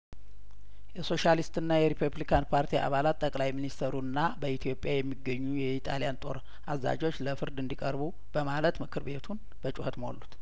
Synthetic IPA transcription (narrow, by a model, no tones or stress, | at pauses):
jɛso̞ʃalist̪ɨnːajɛɾipʰuβlikʰanpʰaɾt̪ʰiʔa̰βalat̪t̪ʼːəkʼlajminist̪ʰəɾunːabəit̪ʰijo̞pʼjajɛmːiɡːəɲːujɛit̪ʼalijant̪ʼo̞̰ɾ | ʔazːa̰d͡ʒo̞t͡ʃːləfɨɾd̪ɨnd̪ikʼəɾbu | b̥əmalət̪mɨkʰɨɾβe̞t̪ʰun | bət͡ʃʼuhət̪mo̰lːut̪